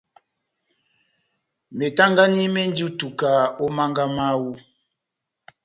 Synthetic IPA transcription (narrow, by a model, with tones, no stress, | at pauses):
me˨ta˦ŋɡa˦ni˦mɛ˦n˦di˦u˦tu˨ka˨o˦ma˦ŋɡa˦ma˦wu˦